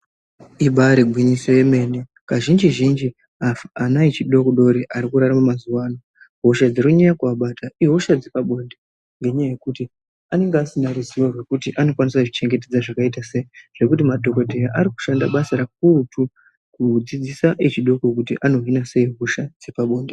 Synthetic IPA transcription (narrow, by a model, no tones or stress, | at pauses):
iɓaɾeɡʱwiɲiso̞je̞me̞ːnekaʒind͡ʒiʒind͡ʒi | aanait͡ʃiɗo̞koɗo̞ɾiʔaɾikuɾaɾamumazuwaːna | ɦo̞ʃad͡zerkuɲajakuaɓataiɦo̞ʃad͡zepaɓo̞nde | ŋɡe̞ɲajaje̞kuti | ane̞ŋɡeasinaruziwo̞rwe̞kutiʔano̞kwanisakut͡ʃit͡ʃe̞ŋɡe̞t̬e̞d͡zaʐakaitaseiʐ̥e̞kutimadʱo̞ko̞dʱejaʔaɾiku̥ʃandaɓasaɾak̚utu | kud͡zid͡zisaʔet͡ʃiɗo̞kok̬utiʔano̞ɦinase̞iɦoʃad͡zepaɓo̞ːnde